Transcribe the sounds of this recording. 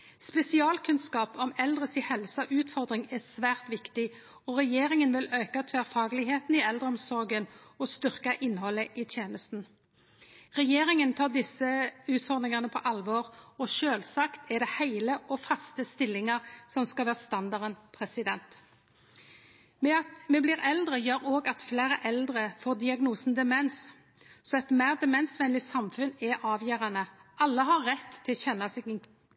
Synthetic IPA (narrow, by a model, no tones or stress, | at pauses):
spɛsɪɑːlkʰʉnskɑːpɔmɛld̪ʁəsɪhɛlsɑʔʉːt̪fɔʁd̪ʁɪŋɛsʋæːʁt̪ʋɪkt̪ɪ | ɔʁɛjeːʁɪŋənʋɪløːkɑt̪ʰʋæːʁfɑːɡlɪɡɦeːt̪n̩ɪɛld̪ʁəɔmsɔʁɡənɔst̪ʏʁkɑʔɪnːhɔlːəʔit̪ʰjeːnəst̪n̩ | ʁɛjeːʁɪŋənt̪ʰɑːd̪ɪsːəʉːt̪fɔʁd̪ʁɪŋɑnəpʰɔʔɑlʋɔːʁɔʃøːlsɑkt̪ʰɛd̪ɛhæɪləʔɔfɑst̪əst̪ɪlːɪŋɑʁsɔmskɑlʋæːʁst̪ɑnd̪ɑʁɾənpʰɾɛsɪd̪ɛnt̪ | mɛɑt̪mɛːblɪːʁɛld̪ʁəjøːɾoːɡɑt̪flæːɾəʔɛld̪ʁəfoːd̪ɪɑɡnuːsn̩d̪ɛmɛns | sɔɛt̪mæɪʁd̪ɛmɛnsʋɛnlɪsɑmfʉnɛʔɑːʋjæːʁɑnəʔɑlːəɦɑʁɛt̪ʰːɪlɕɛnːɑsɛɡ̪